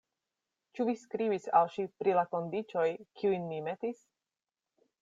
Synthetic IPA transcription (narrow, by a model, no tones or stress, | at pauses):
t͡ʃuviskɾibisa̰lʃipɾilako̞nd̪it͡ʃo̞jkʰiujnːimet̪is